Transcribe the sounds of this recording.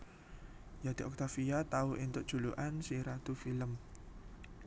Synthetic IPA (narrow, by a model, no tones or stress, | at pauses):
jad̪̥i̤ʔɔk̚t̪afiat̪auʔint̪ʊʔd̥ʒ̥ṳluʔansiɾat̪ufiləm